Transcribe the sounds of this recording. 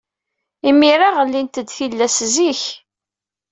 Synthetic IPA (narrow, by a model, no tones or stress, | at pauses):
imiɾaʁəlːint̪əd̪θilːæsziç